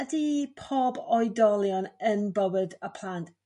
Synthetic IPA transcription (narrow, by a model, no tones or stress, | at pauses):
ədipʰoːbɔjdɔlˠjɔnənbəwədəpʰl̥ˠantʰ